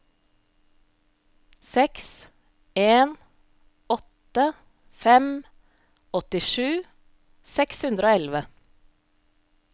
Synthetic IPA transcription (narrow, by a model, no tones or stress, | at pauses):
sɛks | eːn | ɔt̪ə | fɛm | ɔt̪ɪʃʉː | sɛkshʉnd̪ɾəoːɛlʋə